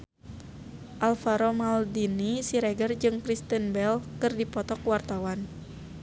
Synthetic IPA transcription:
ʔalfaɾomaldinisiɾɛɡərd͡ʒɨŋkɾist̪ənbɛlkɨrdipɔt̪ɔkuwart̪awan

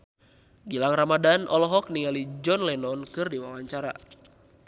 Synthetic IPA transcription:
ɡilaŋramadanʔɔlɔɦɔk̚niŋalid͡ʒɔnlɛnɔnkɨrdiwawaɲt͡ʃaɾa̰

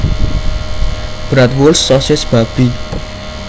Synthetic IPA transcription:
b̥ɾat̪wolsːɔsesb̥abi

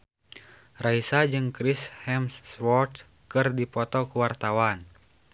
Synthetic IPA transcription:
raisad͡ʒɨŋkɾishɛmsːwɔrt̪ | kɨrdipɔt̪ɔkuwart̪awan

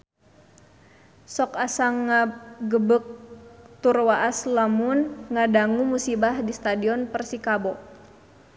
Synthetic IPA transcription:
sɔkasaŋːaɡəbək̚t̪urwaʔaslamunŋadaŋumusibahdist̪adiɔnpərsikabɔ

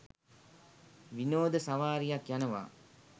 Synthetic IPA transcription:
ʋinoːd̪əsaʋaːɾijakjanəʋa̰ː

